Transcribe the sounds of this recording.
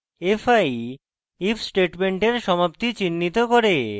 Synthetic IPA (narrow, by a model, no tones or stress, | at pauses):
efaj | ifʰsʈeʈmeɳʈeɾʃɔmap̚t̪it͡ɕinːit̪okoɾe